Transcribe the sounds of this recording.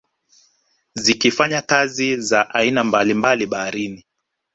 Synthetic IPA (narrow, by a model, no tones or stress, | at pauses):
zikifaɲakazizaʔainambalimbaliɓaaɾini